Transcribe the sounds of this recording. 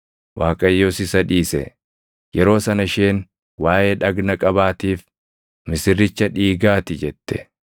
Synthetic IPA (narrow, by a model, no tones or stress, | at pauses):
waːkʼɐjːoːsɪsɐᶑiːsɛ̰ | jɛɾo̞ːsɐnɐʃeːn | waːʔeːᶑɐɡnɐkʼɐbaːt̪iːf | mɪsɪrːɪt͡ʃːɐᶑiːɡaːt̪ɪd͡ʒɛt̪ːɛ̥